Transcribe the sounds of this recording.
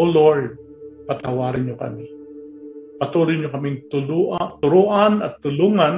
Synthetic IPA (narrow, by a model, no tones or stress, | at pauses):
oloɹd̪̚ | pɐt̪ɐwaːɾɪnɲokɐ̰mɪ | pɐt̪uːlʊjɲokɐmɪŋt̪ʊluʔt̪ʊɾuːʔanɐt̪ːʊluːŋan